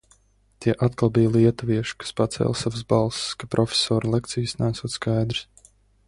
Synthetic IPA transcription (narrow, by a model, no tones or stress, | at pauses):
t̪iɛʔat̪̚kalˠbijliɛt̪uviɛʃi̥kḁspat̪sɛ̰lʲˠsavəs̬balˠsskapɾʔɔfʲe̥sɔːɾlˠekt̪sijsnæːsuɔt̪skajd̪ɾi̥s